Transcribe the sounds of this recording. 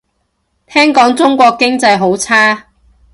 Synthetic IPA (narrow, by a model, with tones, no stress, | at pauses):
t̪ʰɛː˥ŋkɔː˨˥ŋt͡sʊ˥ŋkʷɔː˧kːɪ˥ŋt͡sɐ˧jɦo˨˥wt͡sʰaː˥